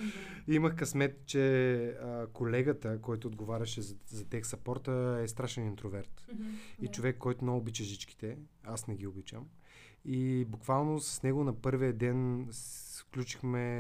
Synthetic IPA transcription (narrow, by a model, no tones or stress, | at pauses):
iməxkɐsmɛt̪t͡ʃɛəkolɛɡət̪əkɔjt̪ʊːd̪ɡovaɾʲɐʃɛzɐt̪ɛksɐpɔɾt̪əɛst̪ɾaʃɛnint̪ɾovɛɾt̪it͡ʃovɛkːɔjt̪ʊnoːbit͡ʃəʒit͡ʃki̥t̪ɛasnɛɡ̟iobit͡ʃə̰m | ibukvalˠnosɐ̥snɛɡʊnɐpɤɾvijəd̪ɛn | fklʲut͡ʃi̥xmɛ